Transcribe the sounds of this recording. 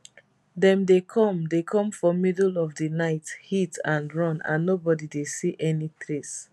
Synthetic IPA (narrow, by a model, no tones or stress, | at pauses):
dɛ̃mdekʰɔ̃mdekʰɔ̃mfɔmidlɔvdinaɪthitʰãnɹɔ̃nã̰nːobɔdidesiʔɛnitɹes